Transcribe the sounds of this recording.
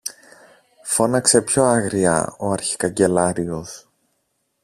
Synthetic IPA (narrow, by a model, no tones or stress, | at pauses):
fo̞nɐkse̞pço̞ɐɣɾiɐ̰o̞ɐɾçi̥kɐɲɟe̞lɐɾio̞s